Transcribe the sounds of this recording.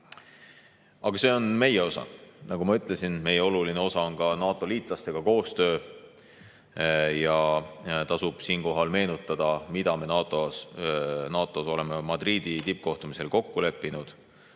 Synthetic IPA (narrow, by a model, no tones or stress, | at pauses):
ɑɡ̥ɑse̞ːo̞nme̞jeo̞sɑ̰nɑɡumɑyt̪ˑle̞sinme̞jeo̞luline̞o̞sɑo̞nkɑnɑːt̪ːˑo̞liːt̪ˑlɑst̪e̞ɡ̥ɑko̞ːst̪ø̞ː | jɑt̪ɑsub̥siːnko̞ɦɑlme̞ːnut̪ːˑɑd̪̥ɑmid̪̥ɑme̞nɑt̪o | nɑːt̪ːˑo̞so̞le̞memɑd̪riːd̪̥it̪ip̚ːko̞ht̪umise̞lko̞kːule̞pːinud̪̥